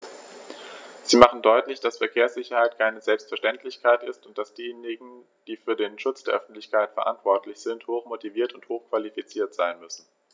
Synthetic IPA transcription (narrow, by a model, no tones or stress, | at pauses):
z̥iːmaχn̩dɔʏtlɪçd̥asfɛɐkʰeːɐsz̥ɪçɐhaɪtkʰaɪnəzɛlpstfɛɐʃtɛntlɪçkʰaɪtɪstʊnt̚d̥asd̥iːjeːnɪɡŋ̩ | d̥iːfyːɐdeːnʃʊt͡sd̥eːɐʔœ̰fn̩tlɪçkaɪtfɛɐʔa̰ntv̥ɔɐtlɪçz̥ɪnthoːxmotiviːɐtʊnthoːxkv̥alifit͡siːɐtz̥aɪnmʏsn̩